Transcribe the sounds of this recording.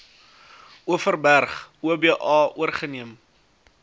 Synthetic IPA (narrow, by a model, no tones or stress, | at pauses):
uəfərbærχuəbiəʔɑːuərχəniəm